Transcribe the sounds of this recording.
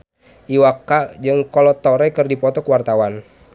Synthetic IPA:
ʔiwakːad͡ʒɨŋkɔlɔt̪ɔɾɛkɨrdipɔt̪ɔkəwart̪awan

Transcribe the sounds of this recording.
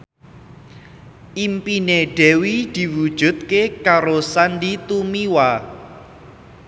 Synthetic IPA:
ʔimpineɖ̥ɛwid̪̥i̤wud̥ʒ̥ṳt̪̚kekaɾosandit̪umiwa

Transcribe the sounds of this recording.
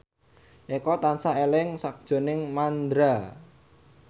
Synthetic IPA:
ʔekɔt̪ansaelɪŋsak̚d̥ʒ̥o̤nɪŋmand̪ɾa

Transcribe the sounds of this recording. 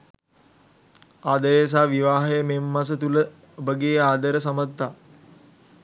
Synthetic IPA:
aːd̪əjs̬aːʋiʋaːɦejəmemːɐs̬ət̪ulə | obəɡeːaːd̪əɾəsɐmət̪ːa

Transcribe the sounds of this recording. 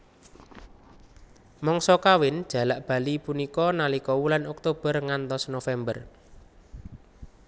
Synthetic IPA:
mɔŋsɔkawɪnd̥ʒ̥a̤laʔb̥a̤lipunikɔnalikɔwulanɔk̚t̪ob̥ərŋant̪ɔsnofɛmbər

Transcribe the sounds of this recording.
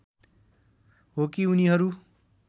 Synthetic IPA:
ɦokiuniɦʌɾu

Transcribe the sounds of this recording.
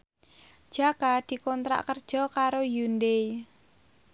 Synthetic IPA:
d̥ʒ̥akad̪̥i̤kɔnt̪ɾa̰ʔkərd̥ʒ̥ɔ̤kaɾojund̪ej

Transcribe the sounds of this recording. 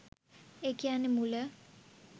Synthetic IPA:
ekijanemulə

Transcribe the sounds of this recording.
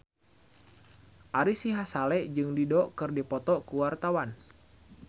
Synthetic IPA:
ʔaɾisiɦasalɛʔd͡ʒɨŋdidɔʔkɨrdipɔt̪ɔkuwart̪awan

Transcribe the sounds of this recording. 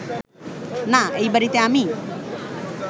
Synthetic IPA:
naeibəɾit̪eami

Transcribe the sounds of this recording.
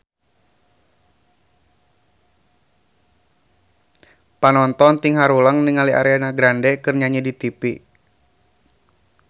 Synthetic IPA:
panɔnt̪ɔnt̪iŋɦaɾuləŋniŋaliʔa̰ɾeanaɡɾandɛkɨrɲaɲɛdit̪ipi

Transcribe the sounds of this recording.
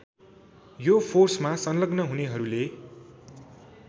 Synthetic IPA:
jopʰorsmasʌnlʌɡnʌɦuneɦʌɾule

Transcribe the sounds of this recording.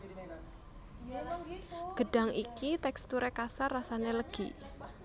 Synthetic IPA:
ɡ̥ə̤ɖ̥a̤ŋʔikit̪ɛkst̪uɾekasarːasaneləɡ̥i

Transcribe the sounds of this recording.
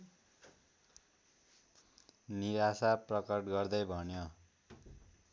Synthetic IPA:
niɾasaprʌkʌʈɡʌrd̪ʌjbʱʌnjo

